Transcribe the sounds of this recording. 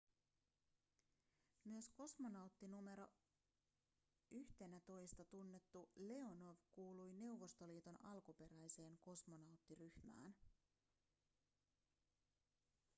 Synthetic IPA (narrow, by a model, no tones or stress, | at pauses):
myøsko̞smonɑwt̪ːinume̞ɾo̞̰ | yçt̪e̞næt̪o̞jst̪ɑt̪unːe̞t̪ːule̞o̞no̞ʋkuːlujne̞wʋːo̞st̪o̞liːt̪onɑlkupe̞ɾæjse̞ːŋko̞smo̞nɑwt̪ːiryçmæ̰ːn